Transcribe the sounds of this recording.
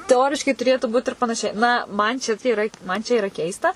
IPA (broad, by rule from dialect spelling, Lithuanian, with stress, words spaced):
tʲɛˈoːrʲɪʃkɐɪ tʊˈrʲeːtuː buːt ɪr pɐnɐˈʃʲɛɪ ˈnɐ ˈmɐn t͡ʃʲɛ tɐ iːˈrɐ ˈmɐn ˈt͡ʃʲɛ ɪˈrɐ ˈkʲɛɪstɐ